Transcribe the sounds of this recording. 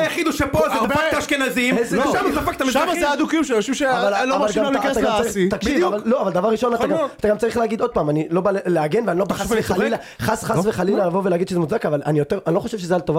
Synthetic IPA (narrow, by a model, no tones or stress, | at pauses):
jaχid̪uʃepozeaakt̪aʃkenazimʃamat̪afak̚t̪amiʃamaead̪ukijumʃeoʃivʃeavalloavvalɡaaaɡamaʁiit̪akʃivavalloavald̪avaʁʁiʃonat̪aɡamat̪aɡamt͡saʁiχleaɡid̪o̞d̪̚paːmanilo̞baleleaɡe̞nveanilobaasealila | χasχaveχalilalavoveleaɡid̪ʃezemuzakavalanijot̪eʁanilo̞χoʃevʃezealt̪ova